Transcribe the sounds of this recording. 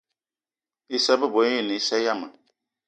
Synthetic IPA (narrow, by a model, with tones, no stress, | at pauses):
i˦sa˦bɨ˦˨bo˨˦i˦˨ni˨i˦sɛ˦ja˦ma̰˨